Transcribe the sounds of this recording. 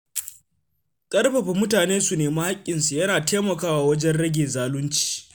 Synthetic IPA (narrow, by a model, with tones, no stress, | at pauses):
kʼɐ˦rɸɐ˨ɸi˨mʊ˦taː˨neː˦su˨neː˨mɐ˦ha˦kʲʼːɪ˨nsu˨jɐ˦naː˨teː˦mɐ˨kaː˦waː˨wɐ˦d͡ʒɛ˦nɽɐ˦ɡʲeː˨zaː˦lʊ˦nt͡ʃi̥ː˨